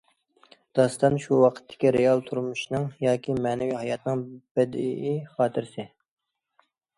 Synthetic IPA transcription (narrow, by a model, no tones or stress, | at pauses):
d̪̥ɑst̪ɑnʃuwɑqʰə̥t̪ʰːɪ̥kʲiɾeɑlˠt̪ʰuɾmuʃnɨŋjɑːkʲʰimɛnɛwihɑjɑt̪nɨŋb̥ɛd̪ɪʔiχɑːt̪ʰɨɾsɪ